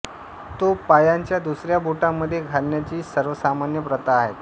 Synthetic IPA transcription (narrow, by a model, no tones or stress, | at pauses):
t̪opajaɲt͡ɕjad̪usɾjabuʈamːəd̪ʱːjeɡʱalnjat͡ɕiːsəɾʋəsamanjəpɾət̪aːɦet̪